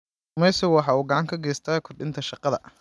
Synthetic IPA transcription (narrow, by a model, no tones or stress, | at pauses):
mɛjsɔwɑħɑːuːɡɐʕɑŋkʰɐɡɛːst̪ʰɐːkʰɔrɖɪnt̪ʰɐʃɑqɑðɐ̰